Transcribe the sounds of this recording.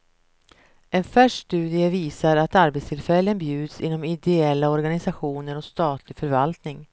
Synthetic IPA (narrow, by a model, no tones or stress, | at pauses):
ʔɛnfœʂst̪ʉ̟ːd̪ɪəviːsaɾat̪aɾbɛt̪st̪ʰɪlfɛlːənbjʉ̟ːd̪sɪ̰nːɔmɪd̪ɛɛlːaɔɾɡanɪsaɧuːnəɾɔkst̪ɑːt̪ʰlɪɡfœɾvalt̪nɪŋ